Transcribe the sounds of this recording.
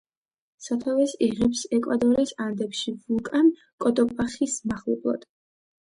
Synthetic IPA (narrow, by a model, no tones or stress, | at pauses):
sat̪ʰavɛsiʁipsɛkʼwad̪ɔɾiːsand̪ɛpʃivulˠkʼan | kʼɔt̪ʼɔpʼaχismaχlˠublˠɔ̰t̪